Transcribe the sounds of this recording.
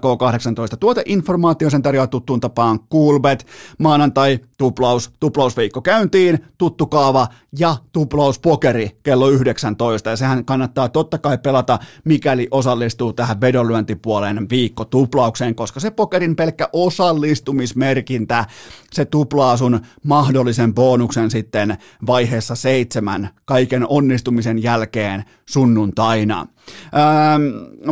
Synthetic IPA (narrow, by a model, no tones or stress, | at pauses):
koːkɑhɾeksɑnt̪oist̪ɑ̥t̪uot̪ɑʔinformɑːt̪iosent̪ɑrjoɑt̪ut̪ːunt̪ɑpɑːŋkuːlʋet̪mɑːnɑnt̪ɑit̪uplɑust̪uplɑusʋiːkːokæynt̪iːnt̪ut̪ːukɑːʋɑ | jɑt̪uplɑuspokerikelːoyhdeksænt̪oist̪ɑjɑsehæŋkɑnːɑt̪ːɑːt̪ot̪ːɑkɑipelɑt̪ɑmikæliʔosɑlːist̪uːt̪æhæʋʋedolyænt̪ipuolenʋiːkːot̪uplɑukseːŋkoskɑsepokerimpelkːæʔosɑlːist̪umismerkint̪æset̪uplɑːsunmɑhdolːisempoːnuksensit̪ːen | ʋɑiheːsːɑseit̪semænkɑikenonːist̪umisenjælkeːn | sunːunt̪ɑinɑ̰ː